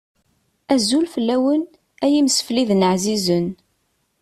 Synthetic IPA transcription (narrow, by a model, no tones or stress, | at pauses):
æzulfəlːæwən | æjimsə̥fliðnəʕzizən